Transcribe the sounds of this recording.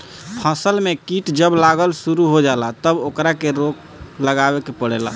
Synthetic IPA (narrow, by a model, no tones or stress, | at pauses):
pʰəsəlmekiʈd͡ʒəblaɡəlsuɾuɦod͡ʒalat̪əbokɾakeɾok | ləɡabekepəɽela̰